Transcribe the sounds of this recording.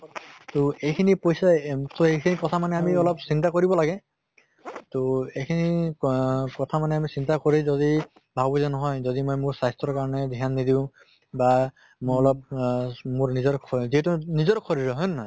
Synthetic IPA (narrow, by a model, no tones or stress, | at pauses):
toejkʰinipojsatoejkʰinikɔtʰamanɛamiɔlɔpsintakoɹibɔlaɡɛ | toejkʰini | kɔtʰamanɛamisintakoɹizɔdi | bʱabuzɛnɔɦɔjzɔdimojmʊɹsajstɹɔɹkaɹɔnɛdʱianːidiʊ̃ | ba | moɔlɔp̚mʊɹnizɔɹkʰziɦɛtʊnizɔɹkʰɔɹiɹɔɦɔjnɔɦɔj